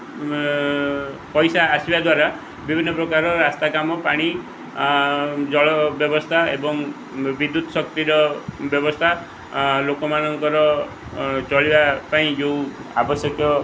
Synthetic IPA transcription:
pɔjsaːsibad̪waɾa | bibʱinːɔpɾɔkaɾɔɾast̪akamɔpaɽ̃i | d͡ʒɔɭɔbjɔbɔst̪ʰaebɔŋ | bid̪ːut̪ɔsɔkt̪iɾɔbjɔbɔst̪ʰa | lokɔmanɔŋkɔɾɔ | t͡ʃɔɭibapaĩd͡ʒewa̰bɔsjɔkjɔ

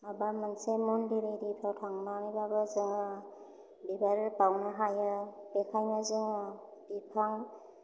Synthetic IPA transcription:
abamansemundiɾidipʰawtʰaŋmamibabazɯŋ | bibaɾpawnaɦajɯbekʰajnazɯŋɯbipʰaŋ

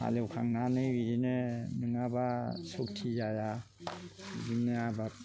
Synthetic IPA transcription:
ha̰lewkʰa̰ŋnanɯwiɾinɯnɯŋabasok̚tʰizaja | ɡimneaba

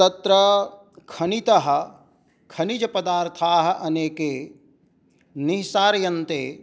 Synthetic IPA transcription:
t̪ɐt̪ɾɐ | kʰɐnit̪ɐɦɐ̆ | kʰɐnid͡ʒɐpɐd̪aːɾt̪ʰaːɦɐ̆ʔɐneːkeː | niɦsaːɾjɐnt̪eː

